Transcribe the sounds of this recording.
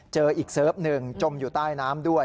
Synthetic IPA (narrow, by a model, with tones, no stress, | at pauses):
t͡ɕɤː˧ʔiː˨˩k̚sɤː˦˥p̚nɯ˨˧ŋt͡ɕo˧mjuː˨˩t̪aː˥˩jnaː˦˥mdu˥˩ə